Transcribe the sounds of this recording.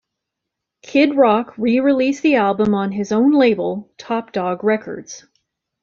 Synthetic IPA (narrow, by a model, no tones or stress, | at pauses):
kʰɪd̚ɹɑkʰɹiɹilisðiælˠbə̃mə̃nɪzõʊ̃nleɪbl̩ˠtʰɑp̚d̥ɔɡɹɛkʰə̰˞dz̥